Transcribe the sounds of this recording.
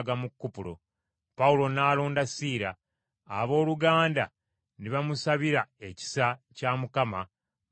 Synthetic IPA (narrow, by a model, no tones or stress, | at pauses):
ɡamukːupulo̞̰ | pawulo̞naːloːndasiːɾa̰ː | βo̞ːluɡaːnda̰ | niβamusaβiɾaeci̥sacamukama